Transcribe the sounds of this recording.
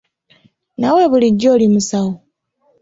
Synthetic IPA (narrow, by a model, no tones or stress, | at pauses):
nawe̞βuliɟːo̞ːlimusawo